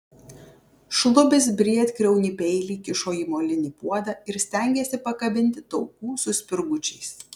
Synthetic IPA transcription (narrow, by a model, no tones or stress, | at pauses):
ʃlˠʊbʲɪsbʲɾʲiɛt̪kɾʲɛʊnʲiːˑpʲɛɪlʲiːkʲɪʃoːjiːmoːlʲɪnʲiːpuɔd̪ɐɪɾsʲt̪ʲɛˑŋʲɡʲeːsʲɪpɐkɐbʲɪnʲt̪ʲɪt̪ɒʊkuːsʊsʲpʲɪɾɡʊt͡ʃʲɛɪs